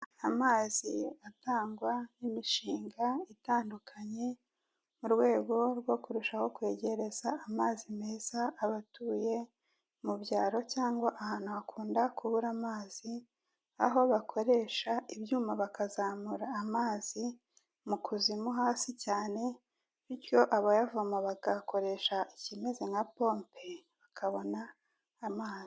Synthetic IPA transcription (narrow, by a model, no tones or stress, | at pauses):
amaːziataːŋɡwanimiʃiːŋɡaitaːndukʰaɲe̞ | muɾwe̞ːɡo̞ɾɡwo̞kuɾuʃaho̞kwe̞ːɟe̞ɾe̞zaːmaːzime̞ːz̥aːβatuːje̞ | mubɟaːɾo̞caːŋɡwaʔahaːn̥huakʰuːndakuβuɾamaːz̥i | a̰ɦo̞βakʰo̞ɾe̞ʃaibjuːmaβakazaːmuɾaːmaːzi | mukʰuzimuɦaːsicaːne̞ | βicjo̞ʔaβajavuamoβaɡako̞ɾe̞ʃaʔicime̞ze̞ŋapo̞mpʰe̞βakʰaβo̞naː | maːzi